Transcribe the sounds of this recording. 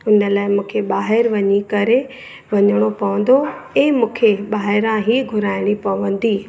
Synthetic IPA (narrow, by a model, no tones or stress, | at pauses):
ʊnə̆laːɪmũːkʰeɓaːɦɪɾʋɐɲikɐɾe | ʋɐɲəɽ̃opɐʋə̃n̆d̪oẽːmũːkʰeɓaːɦɪɾãɦiːɡʱʊɾaːɪɽ̃ipɐʋə̃nd̪iː